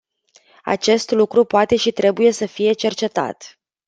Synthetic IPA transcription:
a̰t͡ʃe̞st̪lukɾupoat̪e̞ʃit̪ɾe̞buje̞səfije̞t͡ʃe̞rt͡ʃe̞t̪a̰t̪

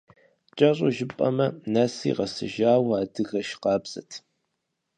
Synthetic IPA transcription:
t͡ʃʼɐɕʼoʒɪpʼɐmɐnasḭːʁɐsɨ̰ʒaːwaːdɨɣɐʃqɑːbz̥ɐ̰tʰ

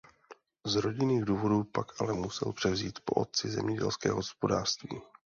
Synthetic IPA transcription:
zɾo̞ɟɪniːɣduːvo̞duːpakʔalɛmusɛ̰lpr̥ɛvziːt̪po̞ʔot̪̚t͡sɪzɛmɲɛɟɛ̰lskɛ̰ːɦo̞spo̞daːr̥st̪viː

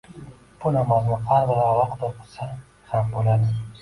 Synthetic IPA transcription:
b̥ʊnamɒznɪqʰaɾvaɾaɒɾɒqd̪oqʰɨ̥sa | hambolad̪ɪ

